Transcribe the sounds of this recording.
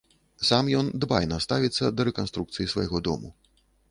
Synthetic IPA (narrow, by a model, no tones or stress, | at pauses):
samjɔnd̪bajnɐst̪avʲit̪sːɐd̪ɐɾɛkanst̪ɾukt̪sɨjisvɐ̰jɣɔd̪ɔ̰mu